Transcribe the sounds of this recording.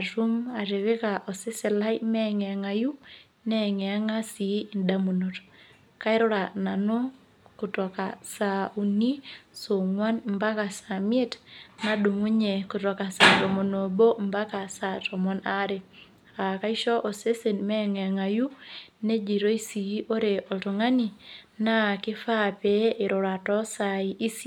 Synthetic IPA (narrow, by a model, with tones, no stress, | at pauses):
a˨tu˦ma˨ɾe˨βe˦ka˨ʔɔ˨se˦se˨la˦jmɛ˦ŋɛ˨a˨ŋa˨ju˦ | nɛ˦ŋɛ˨a˦ŋa˦si˨˦i˨nda˦mo˨no˨t | ka˦i˦ɾo˦ɾa˨na˨no˦ | ko˨tɔ˨ka˨sa˨u˨ni˦so˨ŋwa˦nmba˦ka˨sa˨mi˦e˦tna˦do˨ŋu˦ɲe˨ku˨tɔ˨ka˨sa˨tɔ˨mo˨no˨bo˦mba˦ka˨sa˨tɔ˨mɔ˦na˦ɾe˨ | a˨ka˦i˦ʃɔ˦ʔo˨se˦se˨nmɛ˦ŋɛ˨ŋa˨ju˦ne˦d͡ʒi˨ɾo˦i˦si˨i˦ʔo˦ɾe˨ʔɔ˨tu˨ŋa˦ni˨na˦kɪ˦fa˦pe˦ɪ˨ɾɔ˨ɾa˨tɔ˦sa˨iʔi˦si˦